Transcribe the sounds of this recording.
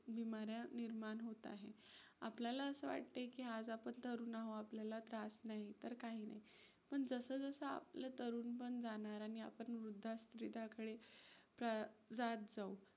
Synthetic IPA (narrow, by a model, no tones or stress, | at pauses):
bimaɾjaniɾmanɦot̪a̰ɦe | a̰pljalaəsəʋa̰ʈ̚t̪ekiad͡zapəɳt̪əɾuːnaɦoapljalat̪ɾasnaɦit̪əɾkaɦiːna̰ɦi | pəɳd͡zəsəːd͡zəsəa̰plat̪əɾuːnpəɳd͡zanaɾaɽ̃ia̰pəɳʋɾud̪ʱːast̪ɾid̪ʱakəɽe | pɾad͡zat̪̚d͡zau